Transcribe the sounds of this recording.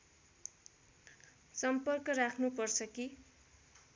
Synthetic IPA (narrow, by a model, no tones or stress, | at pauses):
sʌmpʌrkʌrakʰnupʌrt͡sʰʌki